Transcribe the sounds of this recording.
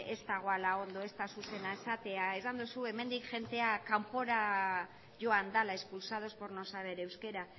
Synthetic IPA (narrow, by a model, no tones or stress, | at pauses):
e̞st̪aɣ̞o̞alao̞nd̪o̞e̞st̪asuse̞nae̞sat̪e̞ae̞sand̪usue̞me̞nd̪ikʝe̞nt̪e̞akampo̞ɾa | ʝo̞and̪alaespulsaðo̞spo̞ɾno̞saβe̞ɾe̞wske̞ɾa